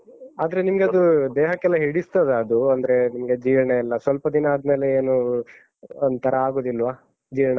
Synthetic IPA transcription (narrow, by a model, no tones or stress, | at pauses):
a̰ːd̪ɐɾe̞nimɐɡeɐd̪ud̪eːɦɐkːɛlːɐɦiɽist̪ɐd̪eɐd̪uɐnd̪ɐɾenimɐɡe̞d͡ʒiːɾɐɳɐilːɐsʋɐlpɐd̪inɐːd̪meːle̞eːnu | ɐnt̪ʰɐɾɐaːɡo̞ːd̪ilːʋaː | d͡ʒiːɾɐɳɐ